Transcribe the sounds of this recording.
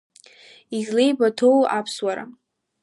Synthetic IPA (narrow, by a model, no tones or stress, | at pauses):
izle̞jbatʰowapʰswaɾa̰